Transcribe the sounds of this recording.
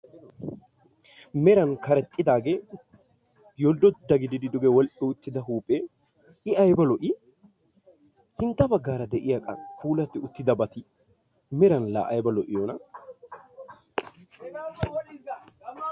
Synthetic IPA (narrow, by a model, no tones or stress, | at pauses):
mɛɾɐnkɐɾɛt̪ʼːɪd̪aːɡeː | jɔld̪ɔd̪ɐɡɪd̪ɪd̪ɪd̪ʊɡɛwɔlʔɪʊt̪ːɪd̪ɐɦuːpʼːeː | ɪɐjbɐlɔʔɪ | sɪnt̪ːɐbɐɡːaːɾɐd̪ɛʔɪjɐkʼɐ̰kuːlɐt̪ːɪʊt̪ːɪd̪ɐbɐt̪ɪ | mɛɾɐnla̰ːʔɐjbɐlɔʔɪjɔnɐ